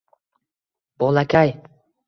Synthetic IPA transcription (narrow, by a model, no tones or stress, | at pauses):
b̥olˠakʰʲaj